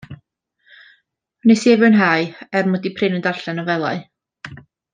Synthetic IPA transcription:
nɛsiɛvɨnɦaɨɛrmɔdipʰrɪnəndarɬɛnɔvɛlˠa̰ɨ

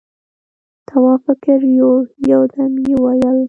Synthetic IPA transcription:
t̪ʰawɑfɪkɪɾjojawd̪amjewajəl

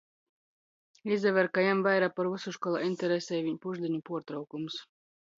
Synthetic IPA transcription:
izd̪ɛvæɾkajamvajɾaːpaɾusuʃkɔlˠa̰ːinʲt̪ʲɛɾɛsʲɛjviɲpuʒd̪ʲiɲupuɔɾt̪ɾawkums

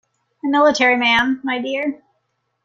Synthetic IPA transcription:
ɨmɪlˠətʰɛɹimæ̃nːaɪdɪɹ

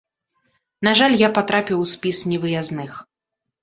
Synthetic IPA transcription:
naʐalʲjapat̪ɾapʲiwsʲpʲisnʲɛvɨjaznɨx

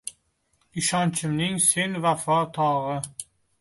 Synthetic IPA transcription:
ɪʃɒnt͡ʃʰɪmnɪŋse̞nvafɒt̪ʰɒʁɨ

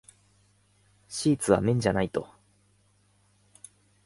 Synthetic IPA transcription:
ɕiːt͡sɨβa̰mẽ̞ɲ̟d͡ʑanait̪o̞̰

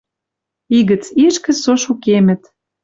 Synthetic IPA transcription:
iɣə̆t͡siʃkə̆soʃukemə̆t̪

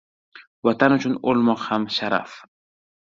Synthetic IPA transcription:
wat̪anut͡ʃunʊlmoqhamʃaɾa̰f

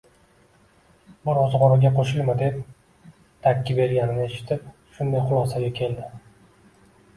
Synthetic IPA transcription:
bɪɾɒzʁɒɾaɡʲaqʰoʃɪlˠmɪd̪e̞p̚ | t̪ʰakʲːɪbe̞ɾɡʲanɪnɪe̞ʃɪ̥t̪ʰɪp̚ | ʃʊnd̪ajχʊlˠɒsaɡʲakʲʰe̞ld̪ɪ

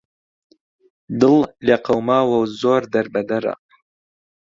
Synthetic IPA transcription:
d̪ɨlleːqɐwmaːwɐwzoːɾd̪ɐɾbɐd̪ɐɾa̰

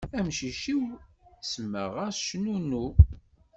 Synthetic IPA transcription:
æmʃiʃiwsəmːə̰ʁæʃnunu

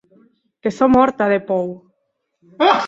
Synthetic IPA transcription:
kesomɔɾt̪aðepow

